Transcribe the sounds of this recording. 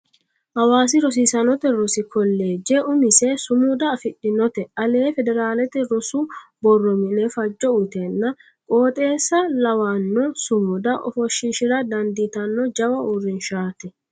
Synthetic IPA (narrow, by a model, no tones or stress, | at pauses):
hɐwaːs̬ɪɾɔs̬ɪsɐnɔt̪ɛɾɔsɪkɔlːe̞ːd͡ʒɛʔʊmɪsɛsʊmʊd̪ɐːfɪɗɪnɔt̪ɛʔɐleːfɛd̪ɛɾaːlɛt̪ɛɾɔsʊbɔrːɔmɪnɛfɐd͡ʒːɔʊt̪ɛnːɐ | kʼo̞ːt̪ʼe̞ːsːɐlɐwanːɔsʊmʊd̪ɐʔɔ̰fɔʃːɪʃɪɾɐd̪ɐnd̪it̪ɐnːɔd͡ʒɐwɐʊrːɪnʃaːt̪ɛ